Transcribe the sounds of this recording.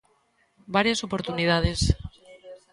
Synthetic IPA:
baɾjasopoɾt̪unið̞að̞es

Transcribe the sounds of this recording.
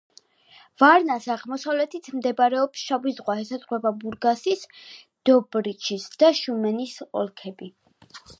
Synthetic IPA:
vaɾnasaʁmɔsavlɛt̪ʰit̪ʰmd̪ɛbaɾɛɔpsʃavizʁwaɦɛsazʁwɛbabuɾɡasis | d̪̥ɔbɾit͡ʃʰisd̪̥aʃumɛnisɔ̰lˠkʰɛbi

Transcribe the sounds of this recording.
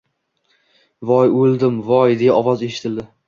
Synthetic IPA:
vɒjolˠd̪ɪmvɒjd̪ejaɒvɒze̞ʃɪ̥t̪ʰɪld̪ɪ

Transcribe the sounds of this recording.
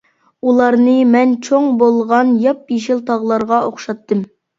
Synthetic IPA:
ulˠɑɾnɨmɛnt͡ʃʰoŋbolˠʁɑnjɑp̚jeʃɪlˠt̪ʰɑʁlˠɑɾʁɑoχʃɑt̪ːɨm

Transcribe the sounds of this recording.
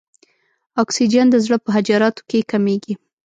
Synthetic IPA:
ɑksid͡ʒand̪əzɽəpəɦad͡ʒɑɾɑt̪o̥kekameɡi

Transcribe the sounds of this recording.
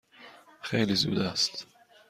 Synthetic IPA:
xeːlizṵːd̪ast̪

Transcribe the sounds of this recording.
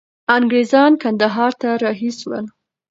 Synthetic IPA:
aŋɡɾezɑnkand̪aɦɑɾt̪aɾɑɦiswə̰n

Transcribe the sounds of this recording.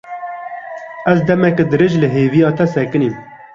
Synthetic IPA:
ɛzd̪ɛmɛked̪ɨɾɨʒlɨɦeːvijɑːt̪ɛsɛkɨnim

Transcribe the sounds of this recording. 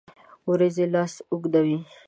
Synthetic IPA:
uɾezelɑsʊɡd̪awi

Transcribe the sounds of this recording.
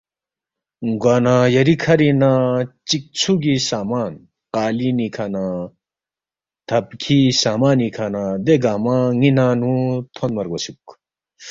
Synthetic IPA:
ŋɡwaːnãjɐɾikʰɐɾinat͡ɕik̚t͡sʰuɡisaːmaːn | qaːlinikʰanã | t̪ʰɐbkʰisaːmaːnikʰanãd̪eɡaːmãŋinaːnũt̪ʰonmɐɾɡɐsuk

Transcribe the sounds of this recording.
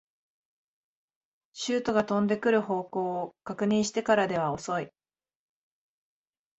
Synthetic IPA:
ɕɨːt̪o̞ɡat̪õ̞nd̪e̞kɯ̟ɾɯ̟ho̞ːko̞ːokakɯ̟ɲ̟ĩɰ̃ɕi̥t̪e̞kaɾad̪e̞β̞ao̞so̞i

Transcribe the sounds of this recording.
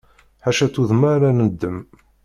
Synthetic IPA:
ħaʃæt͡sːuðmaɾænəd̪ːəm

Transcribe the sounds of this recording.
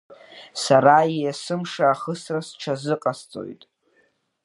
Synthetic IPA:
saɾaijasɨmʂaːχəsrasʈ͡ʂʰazɨqʼast͡sʼo̰jtʼ

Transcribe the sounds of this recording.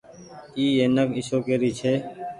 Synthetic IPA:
iːeːnəkɪʃoːkeːɾiːt͡ʃʰeː

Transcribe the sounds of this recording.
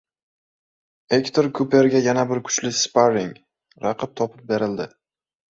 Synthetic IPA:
ekt̪ʰoɾkʰʊpe̞ɾɡʲajanabɪɾkʰʊ̥t͡ʃlɪspaɾɪŋ | ɾɑqʰɨp̚t̪ʰɒpʰɪp̚be̞ɾɪld̪ɪ

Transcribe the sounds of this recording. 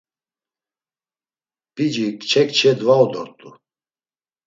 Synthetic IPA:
b̥id͡ʒikt͡ʃʰɛkt͡ʃʰɛd̪vaɔd̪ɔɾt̪ʼu

